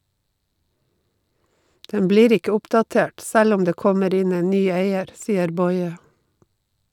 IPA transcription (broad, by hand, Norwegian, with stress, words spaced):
ˈdɛm ˈbliːɾ ˈɪkə ˈʊpdɑˌteːʈ ˈsæl ˈʊm ˈdeː ˈkɔməɾ ˈɪn ˈeːn ˈnyː ˈeɪəɾ ˈsiːəɾ ˈbɔʏə